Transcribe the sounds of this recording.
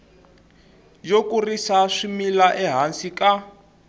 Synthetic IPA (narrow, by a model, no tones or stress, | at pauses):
d͡ʒokurisaʂimilaʔɛɦansika